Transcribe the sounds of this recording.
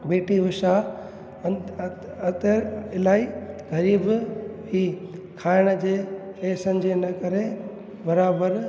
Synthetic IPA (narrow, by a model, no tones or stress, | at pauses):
beːʈiʋʊʃa | ɐt̪əɾɪlaːiɣɐɾiːbɦiːkʰaːɪɽ̃ə̆d͡ʑeːpeːsənd͡ʑʱenɐkɐɾe | bɐɾaːbəɾ